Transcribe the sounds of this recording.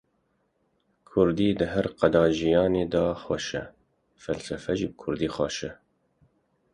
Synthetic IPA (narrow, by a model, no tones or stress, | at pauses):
kʰʊɾd̪iːd̪əɦɛɾqɛd̪ɑːʒijɑːneːd̪ɑːxwɛʃɛ | fɛlsɛfɛʒiːb̚kʰʊɾd̪iːxɑːʃɛ